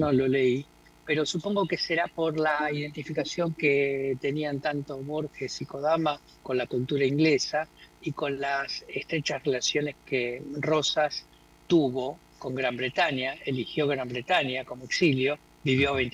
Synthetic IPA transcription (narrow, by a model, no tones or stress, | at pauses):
nololei | peɾo̞supo̞ŋɡo̞keseɾapo̞ɾlaiðe̞nt̪ifikasjo̞ŋket̪e̞niant̪ant̪o̞βo̞ɾxesiko̞ðama | ko̞nlakult̪uɾaiŋɡlesaiko̞nlasest̪ɾe̞t͡ʃasrelasjo̞ne̞skero̞sas | t̪uβo̞ | ko̞ŋɡɾambɾe̞t̪anjaelixjo̞ɣɾambɾet̪anjako̞moeksiljo̞ | biβjoaβejn